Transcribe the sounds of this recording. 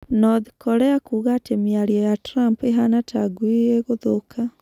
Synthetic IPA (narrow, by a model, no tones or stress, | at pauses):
nɔðikʰɔɾɛakuːɣatemiaɾiɔjatɾampeɦanatʰaɡwieɣoðokʰa